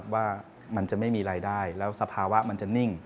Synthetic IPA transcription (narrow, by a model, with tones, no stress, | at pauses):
p̚waː˥˩ | ma˧nt͡ɕa˨˩ʔma˥˩jmiː˧ɾaː˧jdaː˥˩jlɛː˦˥wsa˧pʰaː˧wa˦˥ma˧nt͡ɕa˨˩ni˥˩ŋ